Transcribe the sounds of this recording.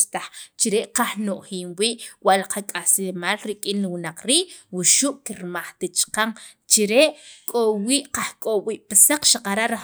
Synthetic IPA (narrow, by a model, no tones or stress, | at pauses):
t̪aχt͡ʃiɾeʔqahnoʔχiːmwiːʔwaʔlaqakʼaslemaːlɾikʼinliwunaq͡χɾiːʔwuʃuʔkiɾmaχt̪it͡ʃqaŋt͡ʃiɾeʔkʼowiːʔqahkʼowiːʔpisaq͡χʃaqaɾaʔɾa